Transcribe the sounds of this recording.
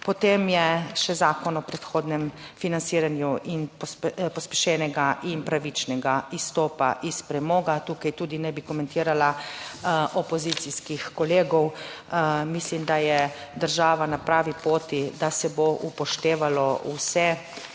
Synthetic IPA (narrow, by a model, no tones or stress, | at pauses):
pɔt̪eːmjɛʃɛzaːkɔnɔpɾɛt̪xoːd̪nɛmfinantsiːɾanjuʔinppɔspɛʃɛːnɛɡaʔinpɾaʋit͡ʃnɛɡaist̪ɔːpa̰ʔispɾɛmɔːɡat̪uːkajt̪uːd̪inɛbikɔmɛnt̪iːɾala | ʔɔpɔzit̪siskixkɔleːɡɔw | mislimd̪ajɛ | d̪əɾʒaːʋanapɾaːʋipoːt̪id̪asɛboʔupɔʃt̪eːʋalɔusɛ